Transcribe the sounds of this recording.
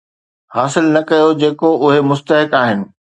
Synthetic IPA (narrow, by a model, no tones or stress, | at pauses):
haːsɪlnɐkɐjod͡ʑeːkoʔʊɦemʊst̪əɦɪkaːɦɪnɪ̆